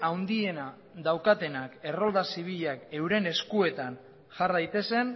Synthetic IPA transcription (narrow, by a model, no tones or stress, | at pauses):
awnd̪ie̞na | ðawkat̪e̞nake̞ro̞ld̪asiβ̞iʎake̞wɾe̞ne̞skue̞t̪an | ʝaɾðajt̪e̞se̞n